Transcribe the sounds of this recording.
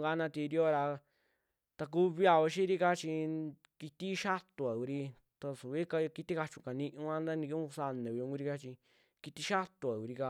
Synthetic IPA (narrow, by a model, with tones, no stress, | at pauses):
ŋɡa˧˦nã˧t̪i˧ɾi˦o˦ɾa˧ | t̪a˧k̬u˦βi˧a˧o˧ʃi˦ɾi˦ka˦t͡ʃi˧ | ki˧t̪i˦ʃa˦t̪u˨a˨ku˧ɾi˧ | t̪a˧su˨βi˦ka˧ki˧t̪i˦ka˧t͡ʃũ˧ka˨nĩ˧ʔũ˧˦ã˦nd̪a˦nĩ˧kũ˦˧sa˧nẽ˨βi˧ũ˧ku˧ɾi˧ka˧t͡ʃi˧ | ki˧t̪i˧ʃa˦t̪u˧˨a˨ku˧ɾi˧ka˧